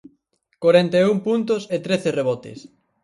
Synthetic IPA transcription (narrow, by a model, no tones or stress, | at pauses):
koɾɛnt̪eumpunt̪oset̪ɾeθereβɔt̪ḛs